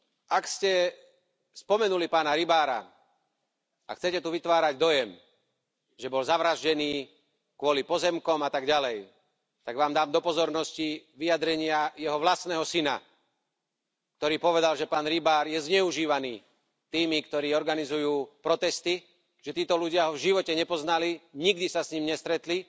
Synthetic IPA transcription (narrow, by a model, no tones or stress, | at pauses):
akscɛ | spɔmɛnulipaːnaɾibaːɾa̰ | axt͡sɛcɛt̪uʋit̪ʋaːɾaɟd̪ɔjɛm | ʒɛbɔlzaʋɾaʒɟɛniː | kʊɔlipɔzɛmkɔmat̪aɡɟalɛj | t̪aɡʋaːmd̪aːmd̪ɔpɔzɔɾnɔsciʋijad̪ɾɛɲɪajɛɦɔʋlasnɛːɦɔsina̰ | k̚t̪ɔɾiːpɔʋɛd̪alʒɛpaːnɾibaːɾjɛzɲɛuʒiːʋaniː | t̪iːmikt̪ɔɾiːɔɾɡanizujuːpɾɔt̪ɛst̪i | ʒ̥ɛt̪iːt̪ɔluɟɪaɦɔvʒiʋɔcɛɲɛpɔznaliɲiɡd̪isasɲimɲɛst̪ɾɛt̪li